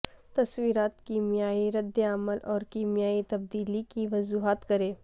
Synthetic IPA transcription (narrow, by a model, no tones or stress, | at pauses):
t̪ɐswiːɾaːt̪kiːmijaːiɾɐd̪ːeaməlʔɔːɾkiːmijaːit̪ɐb̚d̪iːlikiʋɐzuːɦaːt̪kɐɾeː